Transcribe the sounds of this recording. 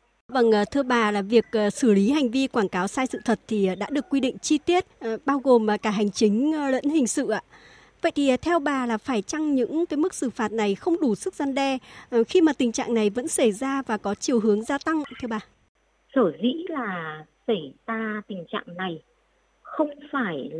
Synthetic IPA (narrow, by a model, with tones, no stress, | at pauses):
va˨˩ŋʔːt̪ʰɨ˧əɓaː˨˩laː˨˩vi˨˩ək̚ʔːsɨ˧˩li˨˦ɦa˨˩jŋ̟vi˧kwaː˧˩ŋkaː˨˦wsaː˧jsɨ̰˧˨t̪ʰə˨˩t̚t̪ʰi˨˩˨ɗa̰ː˧˥ɗɨ˨˩əkːwi˧ɗḭ̈˧˨ŋ̟t͡ɕi˧t̪i˦˥ət̚ɓaː˧wɣo˨˩mː˨˩kaː˧˩ɦa˨˩jŋ̟t͡ɕï˨˦ŋ̟lə̰˧˥nhï˨˩ŋ̟sɨ̰˧˨ʔa̰ː˧˨ | və̰˧˨jt̪ʰi˨˩˨t̪ʰɛ˧wɓaː˨˩laː˨˩faː˧˩jt͡ɕa˧ŋɲɨ̰˧˥ŋkaː˨˦jmɨ˦˥k̚sɨ˧˩faː˨˩t̚na˨˩jxə˧wŋ͡mɗu˧˩sɨ˦˥k̚za˧nɗɛ˧˩xi˧maː˨˩t̪ï˨˩ŋ̟t͡ɕa̰ː˧˨ŋna˨˩jvə̰˧˥nsə˧˩jzaː˧vaː˨˩kɔ˨˦t͡ɕi˨˩əwɦɨ˨˦əŋzaː˧t̪a˧ŋt̪ʰɨ˧əɓaː˨˩ | səː˧˩zḭ˧˥laː˨˩sə˧˩jzaː˧t̪ï˨˩ŋ̟t͡ɕa̰ː˧˨ŋna˨˩j | xə˧wŋ͡mfaː˧˩j